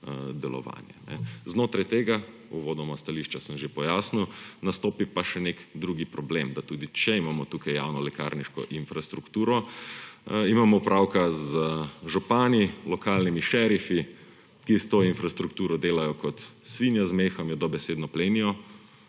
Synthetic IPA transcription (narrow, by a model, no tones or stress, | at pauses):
d̪ɛlɔ̰ʋa̰ːnjɛ̰nɛ̰znoːt̪ɾajt̪eːɡa | uʋoːd̪ɔmast̪aliʃt͡ʃasəmʒepɔjaːsniwnast̪oːpipaʃɛnekd̪ɾuɡipɾɔbleːmd̪at̪uːd̪it͡ʃɛimaːmɔt̪ukajja̰wnɔlɛka̰ɾniʃkɔ̰ʔinfɾast̪ɾukt̪uːɾɔ | imaːmɔpɾʔawkazəʒɔpaːnilɔkaːlnimiʃɛɾifi | kist̪oːinfɾast̪ɾukt̪uːɾɔd̪eːlajɔkɔt̪sʋinjazmeːxɔmjɛd̪ɔbɛseːd̪nɔpleːnijɔ